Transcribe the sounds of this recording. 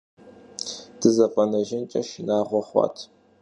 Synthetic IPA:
d̥ɨzɐpʼɐnɐʒɪnt͡ʃʼɐʃɪnaːʁʷɔχʷɑ̰ːtʰ

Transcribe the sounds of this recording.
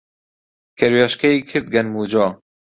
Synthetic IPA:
kʰɛɾwɑʃkɛiːkʰɨɾt̪̚ɡɛnmuːd͡ʒɑː

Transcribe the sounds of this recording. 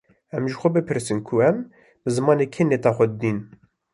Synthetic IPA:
ɛmʒəxʷɛbɨpʰɨɾsɨnkʰuɛm | bɨzɨmɑːneːkʰenet̪ɑːxʷɛd̪d̪iːn

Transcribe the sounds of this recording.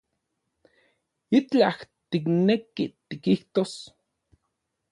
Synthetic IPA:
it͡ɬaht̪iknekit̪ikiht̪os

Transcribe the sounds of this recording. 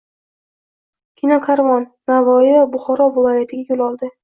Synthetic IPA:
kʲʰɪnɒkʰaɾvɒnːavɒɪvabʊχɒɾɒvɪlˠɒjat̪ʰɪɡʲajolˠɒlˠd̪ɪ

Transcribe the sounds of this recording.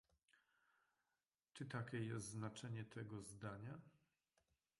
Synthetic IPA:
t͡ʂɘt̪akʲɛjɛst̪znat͡ʂɛɲɛt̪ʰɛɡɔzd̪aɲa

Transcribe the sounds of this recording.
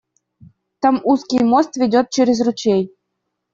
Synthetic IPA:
t̪ə̆muskʲijmost̪vʲidʲot̪̚t͡ɕeɾʲɘzʲrut͡ɕej

